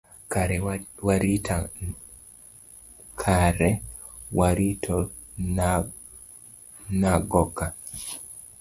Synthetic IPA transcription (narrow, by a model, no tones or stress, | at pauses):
kaɾɛwaɾitʰa | kʰaɾɛ | waɾitʰɔ | naɡɔkːa